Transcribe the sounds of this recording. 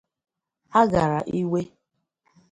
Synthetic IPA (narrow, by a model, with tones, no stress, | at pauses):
a˦ɡa˨ɾa˨ʔi˦we˦